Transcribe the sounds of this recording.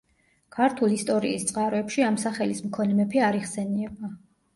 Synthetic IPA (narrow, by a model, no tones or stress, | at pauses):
kʰaɾt̪ʰulist̪ʼɔɾḭːst̪sʼqʼaɾɔɛpʃiamsaχɛlismkʰɔnɛmɛpʰiaɾiʁsɛniɛba